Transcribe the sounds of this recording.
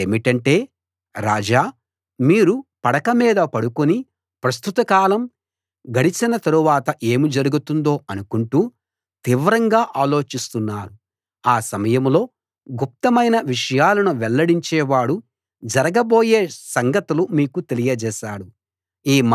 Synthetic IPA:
eːmiʈɐɳʈe̞ː | ɾaːd͡ʒaː | miːɾupɐɽɐkɐmiːd̪ɐpɐɽukuni | pɾɐst̪ut̪ɐkaːlɐm | ɡɐɽit͡ʃinɐt̪ɐɾuʋaːt̪ɐʔe̞ːmid͡ʒɐɾuɡut̪und̪o̞ːɐnukuɳʈuː | t̪iːʋɾɐŋɡaːʔaːlo̞ːt͡ʃist̪unːaːɾu | aːsɐmɐjɐmlo̞ː | ɡup̚t̪ɐmɐjnɐʋiʂɐjaːlɐnuʋɛlːɐɽiɲt͡ʃɛːʋaːɽu | d͡ʒɐɾɐɡɐbo̞ːje̞ːsɐŋɡɐt̪ulumiːkut̪elijɐd͡ʒɛːʃaːɽu | iːm

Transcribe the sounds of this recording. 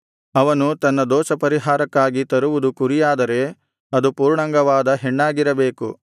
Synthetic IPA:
ɐʋɐnut̪ɐnːɐd̪ɔːʃɐpɐɾiɦaːɾɐkːaːɡit̪ɐɾuʋud̪ukuɾijaːd̪ɐɾe̞ | ɐd̪upuːɾɳɐŋɡɐʋaːd̪ɐɦeɳːaːɡiɾɐbe̞ːku

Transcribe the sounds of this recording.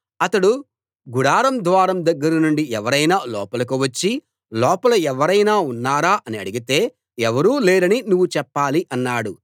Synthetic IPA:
ɐt̪ɐɽu | ɡuɽaːɾɐmd̪ʱʋaːɾɐmd̪ɐɡːɐɾɐnuɳɖiɛʋɐɾɐjnaːlɔːpɐlɐk̬uʋɐt͡ʃːi | lɔːpɐlɐɛʋɐɾɐjnaːunːaːɾaːʔɐniɐ̰ɽiɡit̪e̞ː | ɛʋɐɾuːleːɾɐninuʋːut͡ʃɛpːaːliʔɐnːaːɽu

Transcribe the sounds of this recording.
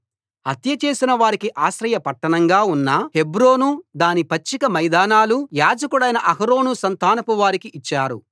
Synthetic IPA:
ɐt̪jɐt͡ʃe̞ːsinɐʋaːɾikiʔaːʃɾɐjɐpɐʈːɐɳɐŋɡaːunːɐhe̞bɾo̞ːnud̪aːnipɐt͡ʃːikɐmɐjd̪aːnaːlujaːd͡ʒɐkuɽɐjnɐʔɐɦɐɾo̞ːnusɐnt̪aːnɐpuʋaːɾikiit͡ʃːaːɾṵ

